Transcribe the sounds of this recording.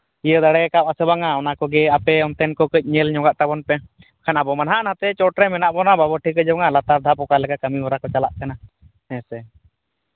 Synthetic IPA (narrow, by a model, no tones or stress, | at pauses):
ijəd̪aɽɛkapasɛbaŋaɔnakɔɡɛapɛɔnt̪ɛnkɔkəc̚ˀɲɛlɲɔɡaʔt̪abɔnpɛ | akʰanabɔmanɦaʔnat̪ɛt͡ʃɔʈɾɛmɛnaʔbɔnababɔʈʰikəd͡ʒɔbɔŋalat̪aɾd̪ʱapɔkalɛkakəmimɔɾakɔt͡ʃalaʔkana | hɛsɛ